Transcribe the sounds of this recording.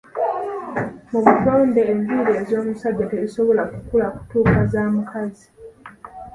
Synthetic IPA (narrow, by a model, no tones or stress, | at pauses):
muβutoːndeːmdiɾeːzo̞ːmusadːete̞ziso̞βo̞lakukulaku̥tuːkazaːmukʰazi